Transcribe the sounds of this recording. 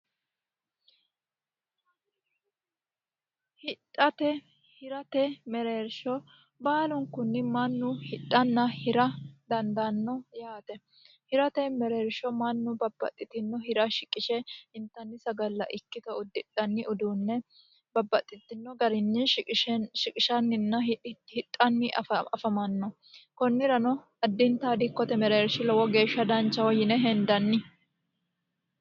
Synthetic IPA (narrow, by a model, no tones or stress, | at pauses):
hɪᶑʼɐt̪ɛ | hɪɾɐt̪ɛmɛɾeːɾʃɔ | baːlʊŋkːʊnːɪmɐnːʊhɪᶑɐnːɐhɪɾɐd̪ɐnd̪ɐnːɔjaːt̪ɛ | hɪɾɐt̪ɛmɛɾeːɾʃɔmɐnːʊbɐbːɐ̰t̪ʼːɪt̪ɪnːɔɦɪɾɐʃɪkʼːɪʃɛhɪnt̪ːɐnːɪsɐɡɐlːɐ̰ʔɪkːɪt̪ɐʊd̪ːɪᶑɐnːɪʊd̪uːnːɛ | bɐbːɐt̪ʼːɪt̪ːɪnːɔɡɐɾɪnːɪ | ʃɪkʼɪʃɐnːɪnːɐhɪt̪ʼːɐnːɪʔɐɐfɐmɐnːɔ | kɔnːɪɾɐnɔ | ɐd̪ːɪnt̪aːd̪ɪkːɔt̪ɛmɛɾeːɾʃɪlɔwɔɡe̞ːʃːɐd̪ɐnt͡ʃːɐwɔjɪnɛɦɛnd̪ɐnːɪ